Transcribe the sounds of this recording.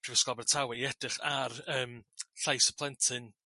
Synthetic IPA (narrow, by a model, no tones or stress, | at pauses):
pʰrivəskɔbɛrtʰawɪiɛd̥rɪχarəːmɬajsə̥pʰlˠɛntʰɨn